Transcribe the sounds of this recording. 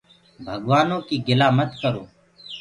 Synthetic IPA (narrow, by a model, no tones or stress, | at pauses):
bʱəɡʋaːnõːkiːɡɪlaːmət̪kəɾoː